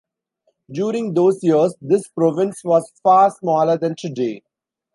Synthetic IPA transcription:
ɖjuːɾɪ̃ŋɡd̪oːzjiəɾsd̪ɪspɾɔːʋɪ̃nsʋɔːzfaːɾsmɔːləɾd̪æ̃nʈuɖḛː

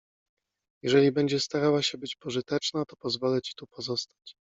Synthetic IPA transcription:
jɛʐɛlʲibɛɲd͡ʑɛst̪aɾawaɕɛbɘt͡ɕpɔʐɘt̪ɛt͡ʂnat̪ɔ̥pɔzvɔlɛt͡ɕi̥t̪upɔzɔst̪ḁt͡ɕ

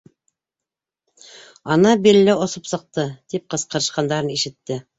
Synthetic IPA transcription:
ɑnɑbiɾlɘŏsɤpsɤ̆q̚t̪ɤt̪ip̚qɤ̆sqɤ̆ɾɤ̆ʃqɑnd̪ɑɾɤniʃɘ̆t̪ːɘ

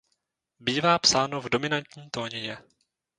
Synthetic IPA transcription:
biːvaːpsaːnovdo̞mɪnant̪ɲiːt̪o̞ːɲɛjɛ

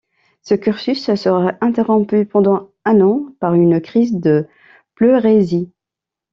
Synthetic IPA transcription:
səkʲyʁsyssəʁaʔɛ̃t̪eʁɔ̃pypɑ̃d̪ɑ̃ | ɛ̃nɑ̃paʁynkχizd̪ə | pløʁezi

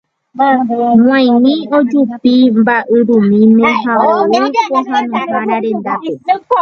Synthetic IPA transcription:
m̃ãj̃nĩod͡ʒupimbaʔɨɾumĩmẽɦaoopoɦãnũhaɾaɾẽ̞nd̪ape

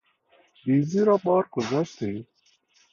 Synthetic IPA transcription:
biziɾɔbɑːɾɡʊzaʃt̪e

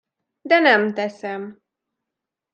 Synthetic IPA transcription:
d̪ɛnɛmt̪ɛsɛm

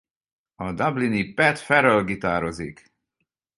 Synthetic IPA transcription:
ɒd̪ablinipɛt̪fɛɾølɡit̪aːɾozik

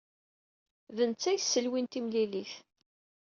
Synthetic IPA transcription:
vənt͡sːæjsːəlwint̪imliliθ

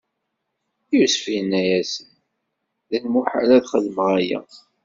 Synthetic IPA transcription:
jusfjnːæjæsən | ðænmuħa̰læðχəðəmʁæjæ̰

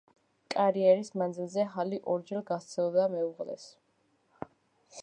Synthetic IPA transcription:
kʼaɾiɛɾismand̪zilˠzɛχaliʔɔɾd͡ʒɛlˠɡast̪sʰɛlˠɔd̪amɛuʁlɛ̰s

